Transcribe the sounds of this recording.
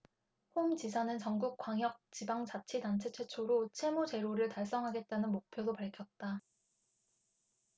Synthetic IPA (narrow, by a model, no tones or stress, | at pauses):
homt͡ɕis̬ʰanɯnt͡ɕʌŋɡuk̚k͈waŋjʌk̚t͡ɕibaŋt͡ɕat͡ɕʰidant͡ɕʰe̞t͡ɕʰe̞t͡ɕʰoɾot͡ɕʰe̞mot͡ɕe̞ɾoɾɯɭtaɭs͈ʌŋɦaɡe̞t̚t͈anɯnmok̚pʰjodopaɭkʰjʌt̚t͈a